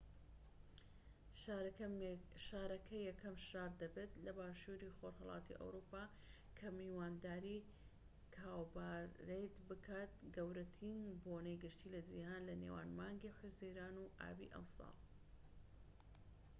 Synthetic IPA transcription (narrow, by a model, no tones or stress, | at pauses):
a | ʃaːɾɐkʰɐjɛkʰɐmʃaːɾd̪ɐbet̪lɐbaːʃuɾixoɾhɐlˠɑ̰ːt̪ḭʔɐ̰wɾupaː | kʰɐmiwaːnd̪aːɾi | kʰaːwbaɾejt̪bɨkʰaːt̪̚ɡɐwɾɐt̪ʰinbonejɡɨʃt̪iːlɐd͡ʒihaːnlɐnḛwa̰ːnmaːŋɡiħʊziɾaːnuʔa̰ːbḭʔɐ̰msɑ̰lˠ